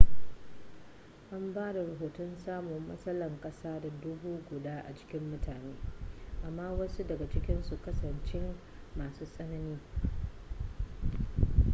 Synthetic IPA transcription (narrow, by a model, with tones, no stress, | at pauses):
ʔa˦mbaː˦da˨ɾɐ˨ɦoː˨tɔ˦nsaː˦mʊ˨mːɐ̰˦sɐ˦lɐ˨ŋkʼɐ˦saː˦da˨dʊ˦buː˦ɡʷʊ˨daː˦ʔa̰˨t͡ʃɪ̥˦kʲɪ˦mːʊ˦tʰaː˨neː˦ʔa˨mːaː˦wɐ˦su˦dɐ˨ɡa˨t͡ʃɪ˦kʲɪ˦nsu˨kɐ˦sɐ˨nt͡ʃɪ˦mmaː˨suː˦sʼɐ˦nɐ˦niː˦